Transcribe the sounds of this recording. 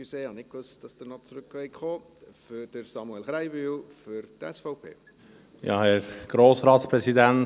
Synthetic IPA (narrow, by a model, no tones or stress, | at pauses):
useːhɑnɪk̚kʋøstd̥ɑsd̥ənɔt͡sɾʏkːʋɛɪkχoː | fʏd̥əɾsɑmuɛlχɾaɪbyːlfʏɾtɛsfɔʊpʰḛː | jɑ̰ːhɛɾɡ̥ɾoːsɾɑːtspɾɛsidæn